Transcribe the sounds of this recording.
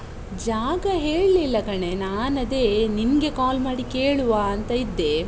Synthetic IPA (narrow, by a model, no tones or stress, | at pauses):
d͡ʒaːɡɐɦeːɭlilːɐkɐɳe̞naːnɐd̪e̞ːninɡe̞kaːlmaːɽike̞ːɭuʋaːɐnt̪ɐid̪ːe̞